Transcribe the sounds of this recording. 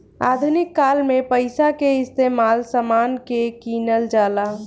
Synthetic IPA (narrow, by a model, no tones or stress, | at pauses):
a̰d̪ʱunikːalmepəɪsakeɪst̪emalsəmankekinəld͡ʒaːla